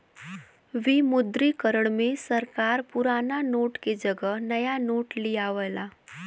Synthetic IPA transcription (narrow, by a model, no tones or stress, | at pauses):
ʋimʊd̪ɾikəɾəɽ̃mẽsəɾkaːɾpʊɾaːnanoːʈked͡ʒəɡəɦnəjanoːʈlijaʋəlaː